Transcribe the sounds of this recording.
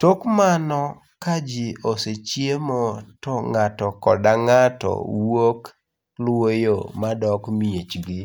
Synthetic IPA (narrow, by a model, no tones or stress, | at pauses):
tokmanɔ | kad͡ʒioset͡ʃjemotɔŋatɔkɔdaŋatɔ̰wok | lwojomadɔkmijet͡ʃɡɪ